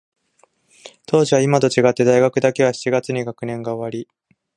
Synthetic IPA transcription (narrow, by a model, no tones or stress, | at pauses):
t̪o̞ːʑiβaimat̪o̞t͡ɕiɡat̪ːe̞d̪aiɡakɯ̟d̪ake̞β̞aɕi̥t͡ɕiɡat͡sɨɲ̟iɡakɯ̟nẽ̞ŋɡaoβaɾʲi